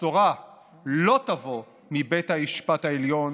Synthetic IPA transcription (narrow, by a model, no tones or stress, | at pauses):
oʁa | lo̞t̪avo | mibet̪haiʃpat̪haeljon